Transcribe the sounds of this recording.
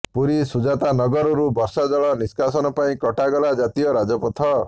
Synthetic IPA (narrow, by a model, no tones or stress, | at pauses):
puɾisud͡ʒat̪anɔɡɔɾɔɾubɔɾsad͡ʒɔɭɔniskasɔnɔpaĩkɔʈaɡɔlad͡ʒat̪ijɔɾad͡ʒɔpɔt̪ʰɔ